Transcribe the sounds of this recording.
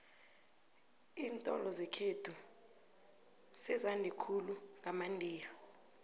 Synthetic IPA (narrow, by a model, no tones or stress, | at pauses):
iːntʼɔ̰lɔzekʰed̥ʰʱu | sɛzandʱikʰuluŋamandʱiːla